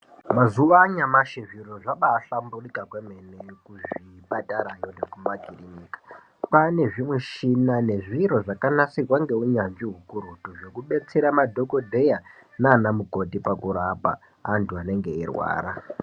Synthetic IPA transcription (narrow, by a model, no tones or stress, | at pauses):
mazuʋaɲamaʃeʐiɾo̞ʐaɓaːɬamburikakwemenekuʐiɓataɾaɲonekumaɡʱirinikḁ | pane̞ʐimwiʃinane̞ʐiɾo̞ʐakanasirwaŋɡe̞uɲanʐiɦukuɾutuʐo̞kuɓe̞t͡se̞ɾamadʱo̞ko̞dʱe̞janaːnamuko̞tipakuɾapa̰ | antuane̞ŋɡe̞irwa̰ːɾa